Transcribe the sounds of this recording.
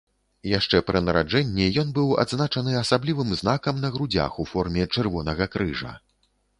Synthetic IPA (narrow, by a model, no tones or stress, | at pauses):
jaʂt͡ʂɛpɾʔɨnɐɾad͡ʐɛnʲːijɔnbɨwa̰d̪znat͡ʂɐnɨɐsablʲivɨmznakɐmnɐɣɾud͡zʲa̰xufɔrmʲɛt͡ʂɨrvɔnɐɣɐkɾɨʐɐ̰